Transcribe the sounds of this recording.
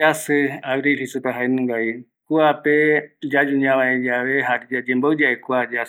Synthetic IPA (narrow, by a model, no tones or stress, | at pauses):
asɨaβɾihisupaɦaenũŋɡai | kuaped͡ʒad͡ʒuɲãβãẽd͡ʒaʋeɦaɾid͡ʒad͡ʒẽmboɨd͡ʒaʔekʷad͡ʒa